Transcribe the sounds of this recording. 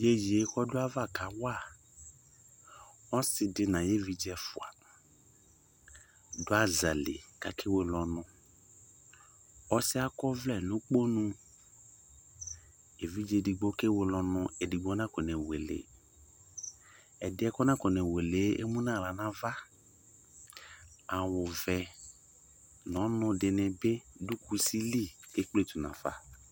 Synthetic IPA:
je˦ji˨e˨˦kɔ˦dʊ˦a˦va˦˨ka˨wa˦˨ | ɔ˦sɪ˨dɪ˦nã˨je˦vi˦d͡ʒɛ˨fʊ̰˨a̰˨ | dʊ˦a˦za˨lḛ˨ka˨kʰe˦we˦lɔ˨nʊ̃˦ | ɔ˦sɪ˦a˦kɔ˦vlɛ˨nʊ̃˦k͡po˦nũ˦ | e˨vi˦d͡ʒe˨di˨ɡ͡bo˦ke˦we˨lɔ˨nʊ̃˨˦e˨di˨ɡ͡bɔ˨˦nã˦kɔ˨nɛ˨we˨lḛ˨ | ɛ˨dɪ˦ɛ˦kɔ˦nã˦kɔ˨nɛ˨we˨le˨˦ḛ˦mũ˦nã˦˨la˨nã˦va˦ | a˨wʊ˨vɛ˨ | nɔ̃˨˦nʊ̃˧dɪ˨nɪ̃˨bɪ˦du˦ku˦si˦li˦˨ke˦k͡ple˦˨tu˨nã̰˨fa̰˨

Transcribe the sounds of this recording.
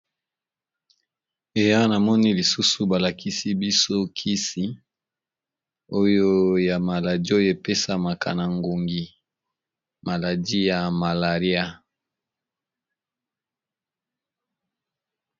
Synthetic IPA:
e˨ja˦na˨mɔ˦ni˦li˨su˦su˨ba˨la˨kʰi˦si˦bi˦so˦kʰi˦si˦ | o˦jo˦ja˨ma˨la˨di˦o˦je˨pe˦sa˦ma˨kʰa̰˨na˨ŋɡo˨ŋɡi˨ | ma˨la˨di˦ja˨ma˨la˨ʁi˦a˦

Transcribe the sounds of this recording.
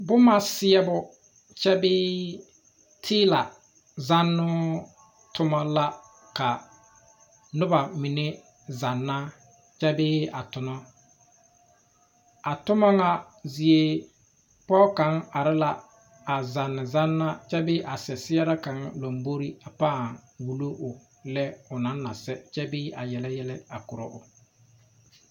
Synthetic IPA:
bʊ˦ma˦sɪ˦ɛ˦bʊ˦ | t͡ʃɛ˦bɪː˦ | tʰiɪː˦la˨ | za˦nːʊ˦ | tʊ˦mɔ˦la˦ | ka˨ | nʊ˦ba˨mi˨ne˦ | za˨nːa˦ | t͡ʃɛ˦bɪː˦a˨tʊ˨nɔ˦ | a˨tʊ˦ma˦ŋa˦ | zɪ˨e˦ | pɔː˦ka˨˦ŋa˨ɾɪ˦la˦ | a˨za˨nːɪ˨za˦nːa˦t͡ʃɛ˦bɪ˦ʔa˨sɛ˨sɪ˦ja˦ɾa˦ka˨˦ŋlo˨mbo˦ɾi˦a˨paː˦˨ŋwu˨lo˦ʔʊ˨ | lɛ˦ʊ˨na˨˦nːa̰˨sɛ˦t͡ʃɛ˦bɪː˦a˨jɛ˨lɛ˦jɛ˦lɪ˦a˨kʊ˨ɾɔ̰˦ʔʊ˨

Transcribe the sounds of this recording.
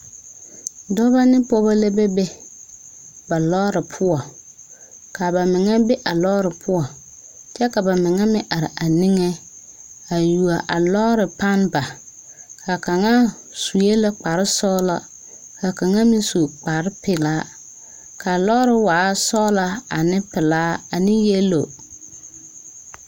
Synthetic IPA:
dɔ˦βa˦nɪ˦pɔ˦ba˦le˦be˦be˦ | ba˨lɔː˦ɾɪ˨pʰʊ˦ɔ˨ | ka˨ba˨mɪ˨ŋɛ˦be˦ʔa˨lɔː˦ɾɪ˨pʰʊ˦ɔ˨ | t͡ʃɛ˦ka˨ba˨mɪ˨ŋɛ˦mɪ˦ʔa˨ɾɪ̰˨ʔa˨ni˦ŋɛ˦ | a˨ju˨a˨ʔa˨lɔː˦ɾɪ˨pa˦nba˨ | ka˨ka˨ŋa˦ | su˨je˦lo˦k͡pa˨ɾɪ˦sɔː˦la̰˨ | ka˨ka˨ŋa˦mɪ̃˦su˨k͡pa˨ɾɪ˦pɪ˨laː˦ | ka˨lɔː˦ɾɪ˨waː˨˦sɔː˦la˨a˨nɪ̃˦pɪ˨laː˦a˨nɪ̃˦je˦lo˨

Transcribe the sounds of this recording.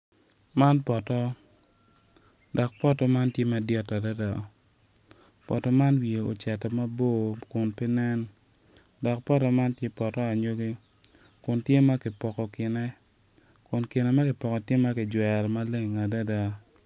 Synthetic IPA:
ma˦npɔ˨tɔ˦ | dɔ˨k̚pɔ˦tɔ˦ma˦ntje˦ma˨djɔ˦ta˨da˦da˨ | pɔ̰˨tɔ˦ma˦nwie˨o̰˨t͡ʃɛ˨tɔ˨ma˦bo˦˨kʊ˨npi˦nɛ˦n | dɔ˨k̚pɔ˦tɔ˦ma˦ntje˦pɔ˨tɔ˦a˨ɲo˦ɡe˦ | kʊ˨ntje˦ma˦kɪ˨pɔ˨kɔ˨kɪ˨nɛ˦ | kʊ˨nkɪ˨nɛ˨ma˦kɪ˨pɔ˨kɔ˨tje˦ma˦kɪ˨d͡ʒwɛ˨ɾma˦le˦ŋa˨da˦da˦

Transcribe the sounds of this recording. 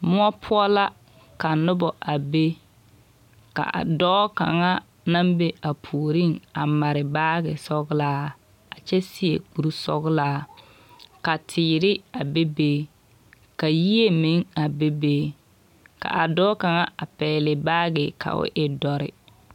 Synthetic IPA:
mʊ˦ɔ˦pʰʊ˦ɔ˦la˦ | ka˨nʊ˦bɔ˨ʔa˨be˦ | ka̰˨ʔdɔː˦ka̰˨ŋa˦ | na˦mbe˦a˨pʰuː˨ɾi˦˨ŋa˨ma˨ɾɪ˨baː˦ɣɪ˨sɔ˦ɣlaː˦ | a˨t͡ʃɛ˦si˦ḛ˨k͡pu˨ɾu˦sɔ̰˦ɣlaː˦ | ka˨tʰɪː˨ɾɪ˦a˨be˦beː˦ | ka˨ji˦e˦me˨˦ŋa˨be˦be˦ | ka̰˨ʔa˨dɔː˦ka˨ŋa˦a˨pɛː˨lɪ˨baː˦ɡɪ˨kʰa̰˨ʔʊ̰˦ʔɪ˦dɔ˨ɾɪ̰˨

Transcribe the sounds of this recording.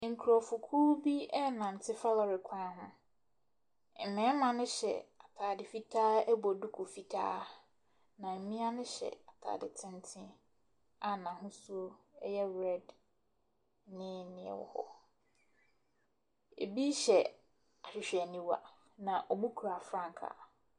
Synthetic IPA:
ŋ̩˨kʰu˨ɾɔ˨fʊ˨kʰu˦bi˦ɛ˦nã˨n̩˨tʰɪ˦fa˦lɔ˨ɾɪ˨kʰã˦ɦʊ̃˦ | m̩˨mɪ̃˨˦mã˨nʊ̃˦ɕɛ̰˨a˨tʰaː˨dɪ˨fi˦tʰaː˦bɔ˨du˦kʰʊ˨fi˨tʰa̰ː˦ | nã˨m̩˨mɪ̃˦a˦nʊ̃˦ɕɛ̰˨a˨tʰa̰ː˨dɪ˨tʰɪ̃˦n˦tʰɪ̃˦ | a˨nã˨ɦʊ̃˦su˦o˦ɛ˦jɛ˦ɾɛ˦d | nɪ̃˦nɪ̃˦˨ɛ̰˨wɔ̰˨hɔ̰˦ | ḛ˨bi˦ɕɛ˨ | a˨ɕᶣɪ˨ɕᶣɛ˨nĩ˦wa̰˨ | nã˨ʔɔ˨mũ˦kʰu˨ɾa˨fɾã˦ŋkʰa̰˨

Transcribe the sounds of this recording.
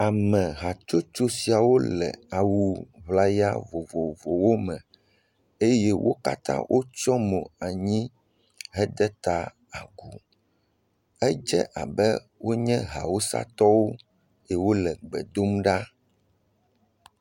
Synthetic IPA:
a˨mɛ̃˨ɦa˨t͡ʃo˦t͡ʃo˦si˨a˨wo˦lɛ̰˨a˨wu˨βla˦ja̰˦vo˨vo˨vo˨wo˦mɛ̃˨ | e˦jɛ˦wʔo̰˦ka̰˦t̪ã̰˦wʔo˦t͡ʃɔ˦mõ˨a˨ɲĩ˦ | ɦɛ˦d̪ɛ˦t̪a˦ | a̰˨ɡu˨ | ɛ˦d͡ʒɛ̰˦ʔa̰˨bɛ˦ | wo˦ɲɛ̃˦ɦa˨wo˦sa̰˦t̪ɔ˦wo˦ | jɛ˨wo˦lɛ˨ɡ͡bɛ̰˨d̪o˦mɖa˦

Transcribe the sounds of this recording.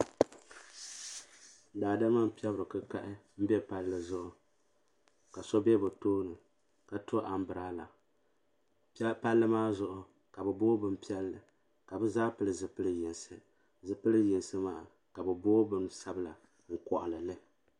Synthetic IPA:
daː˨da˦ma˦m˦pi˦ɛ˦bɨ˨ɾɨ˨kɨ˦ka˦ʔɪ˦m̩˦bɛ˦pa˦lːɨ˨zʊ˦ʔʊ˨ | ka˨so˦bɛ˦bɨ˨toː˦nɨ˨ | ka˨to˦ʔa˨m̩˦bɨ˨ɾaː˦la˨˦ | pa˦lːɨ˦maː˦zʊ˨ʔʊ˦ | ka˨bɨ˨boː˦bɨ˦m˦pi˦ɛ˦lːɨ˨ | ka˨bɨ˦zaː˦pɨ˦lɨ˨zɨ˨pɨ˦lɨ˦jɪ˨nsɨ˨ | zɨ˨pɨ˦lɨ˦jɪ˨nsɨ˦maː˨ʔa˨ | ka˨bɨ˨boː˦bɨ˦nsa˦bɨ˦la˨ | ŋ̩˦˨kɔ˨ʔʊ˨lɨ˨lɨ˦

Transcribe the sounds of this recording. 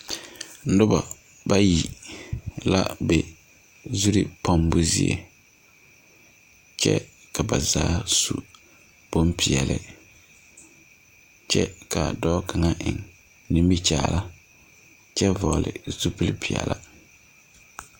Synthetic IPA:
n̩˦dʊ˦ba˨ | ba˦ji˨ | la̰˦be˨ | zu˦ɾi˨pʰa˦mbʊ˦zi˦ḛ˨ | t͡ʃɛ̰˦ | ka˨ba˨zaː˦sṵ˨ | b̥o˦mpʰɪ˨ɛ˨lɪ̰˨ | t͡ʃɛ˦ka˨dɔː˦kʰa˨ŋa˦ʔɪ˨ŋ | nĩ˦mbi˦t͡ʃaː˦˨la˦ | t͡ʃɛ˦vɔː˨lɪ̰˨su˦pi˦lɪ˦pʰɪ˨ɛ̰˨lʔa˦

